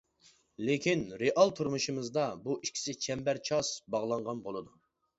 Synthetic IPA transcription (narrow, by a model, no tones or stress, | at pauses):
lekʲʰinɾeʔɑlˠt̪ʰuɾmuʃɨmɨzd̪ɑbuʔiʃkʲʰi̥sɪt͡ʃʰɛmbæɾt͡ʃʰɑsbɑʁlˠɑɴʁɑnbolˠɨd̪u